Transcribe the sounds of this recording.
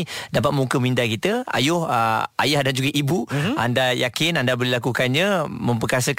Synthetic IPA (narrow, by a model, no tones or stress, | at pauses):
dapat̪̚mukəmindakit̪əa̰jʊhəʔa̰jahdand͡ʒuɡəʔibua̰ndajakɪnandabəlilak̬ukanɲãmə̃mp̬əkas̬ək